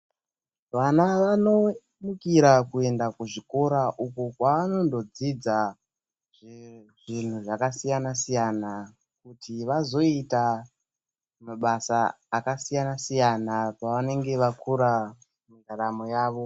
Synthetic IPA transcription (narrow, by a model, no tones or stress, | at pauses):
ʋanaʋano̞ | mukiɾakue̞ndakuʐiko̞ɾaʔukukwaʋano̞ndo̞d͡zid͡za | ʐʐin̤uʐakasijanasijana | kutʰiʋazo̞ita | meɓasaː | kasijanasijanapaʋane̞ŋɡe̞ʋakuɾa | muŋɡaɾamojaːʋo̞